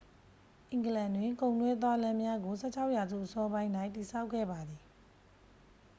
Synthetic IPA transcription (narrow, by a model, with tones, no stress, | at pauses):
ʔɪ̃˨ŋɡəlã˨ndwɪ̃˨ŋkõ˨ʊ̃ntwɛ˦t̪̬wa˦lã˦mja˦ɡo˨s̬ʰɛ̰˦˨t͡ɕʰa˦ʊʔja˨zṵ˦˨ʔəsɔ˦bã˦ɪ̃nda˦ɪ̃ti˨sa˦ʊkʰɛ̰˦˨ba˨d̪ði˨